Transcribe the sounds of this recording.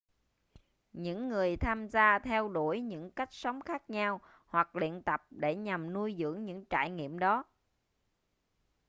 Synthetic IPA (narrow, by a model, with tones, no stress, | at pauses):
ɲɨ̰˧˥ŋːɨ˨˩əjt̪ʰaː˧mzaː˧t̪ʰɛ˧wɗo˧˩jɲɨ̰˧˥ŋka˦˥jk̟̚sə˨˦wŋ͡mxaː˦˥k̚ɲaː˧w | hwa˨˩k̚lḭ˧˨ənt̪ə˨˩p̚ɗe˧˩ɲa˨˩mnu˧jzɨ̰˧˥əŋɲɨ̰˧˥ŋt͡ɕa̰ː˧˩jŋḭ˧˨əmɗɔ˨˦